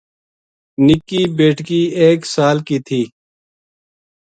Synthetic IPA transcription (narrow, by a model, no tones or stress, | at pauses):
nɪkːiːbeːʈʰkiːeːksaːlkiːt̪ʰiː